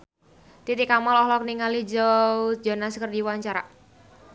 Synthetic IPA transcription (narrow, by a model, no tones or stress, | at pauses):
t̪it̪ikamalɔhlɔkniŋalid͡ʒaud͡ʒɔnaskərdiwaɲt͡ʃaɾa̰